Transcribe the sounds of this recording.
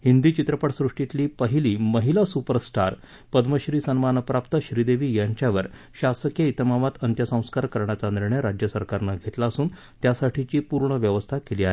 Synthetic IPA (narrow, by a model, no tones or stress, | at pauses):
hind̪iːt͡ɕit̪ɾəpəʈsɾuʂʈit̪liːpəɦiliːməɦilasupəɾsʈaɾ | pəd̪məɕɾiːsənmanəpɾapt̪əɕɾid̪eʋiːjaɲt͡ɕjaʋəɾ | ɕasəkjəit̪əmaʋat̪ənt̪jəsə̃w̃skaɾkəɾɳjat͡saniɾɳjɾad͡ʑjəsəɾkaɾnaɡʱet̪laəsuːn | t̪jasaʈʰit͡ɕiːpuɾɳəʋjəʋəst̪ʰakeliːaɦe